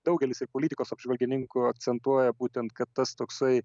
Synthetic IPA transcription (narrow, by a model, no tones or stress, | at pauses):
d̪ɐʊɡʲɛlʲɪsɪɾpoːlʲiːt̪ʲɪkoːsɐbʒʋɐlʲɡʲɪnʲɪŋkʊɐk̚t̪sʲɛnt̪uɔjɛbuːt̪ʲɛnt̪̚kɐt̪ːɐst̪oːksɐɪ